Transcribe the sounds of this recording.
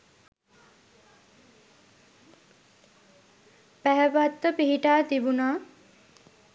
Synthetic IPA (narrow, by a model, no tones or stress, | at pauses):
pæɦəpat̪ːəpiɦiʈaːt̪ibunaː